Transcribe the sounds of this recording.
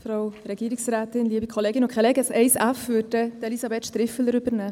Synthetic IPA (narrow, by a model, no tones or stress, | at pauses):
fɾowɾɛɡ̥iːɾɪksɾæːt̪ɪnliəbikʰχɔleːɡɪnʊkχɛleːɡəsɛɪsæfʋʏdəd̥elisɑbeːt̪ʃt̪ɾɪfəl̩əɾʏbəɾnæː